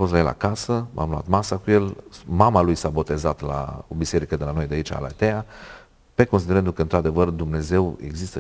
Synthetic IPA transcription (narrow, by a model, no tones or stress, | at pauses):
fost̪lajela̰kasəmʔa̰mlua̰t̪masakuje̞lmamalujsabo̞t̪e̞zat̪la̰obise̞ɾikəd̪elano̞jd̪eait͡ʃa̰la̰t̪ea | pe̞ko̞ns̬id̪eend̪ukəɨnt̪ɾad̪e̞vərd̪umne̞ze̞we̞̰ɡzist̪ə